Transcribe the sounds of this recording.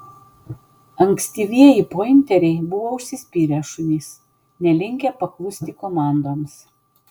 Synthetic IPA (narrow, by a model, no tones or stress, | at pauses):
ɐŋʲksʲt̪ʲiːʋʲiɛjipoɪnʲt̪ʲɛɾʲɛɪbʊʋoːʊʃʲsʲɪsʲpʲiːɾʲɛʃʊnʲiːs | nʲɛlʲɪŋʲkʲɛpɐklˠʊsʲt̪ʲɪkomɑˑnd̪oːms